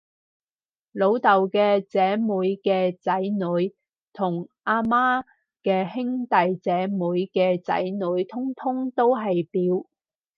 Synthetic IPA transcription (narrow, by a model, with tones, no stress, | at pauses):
lo˨˧wt̪ɐ˨wkɛː˧t͡sɛː˨˥muː˨˧˥jkɛː˧t͡sɐ˨˥jnɵ˨˧ɥ | t̪ʰʊ˨˩ŋʔaː˧maː˥ | kɛː˧hɪ˥ŋt̪ɐ˨jt͡sɛː˨˥muː˨˥jkɛː˧t͡sɐ̰˨˥jnɵ˨˧˥jt̪ʰʊ˥ŋt̪ʰʊ˥ŋt̪o˥wɦɐ˨jpiː˨˧˥w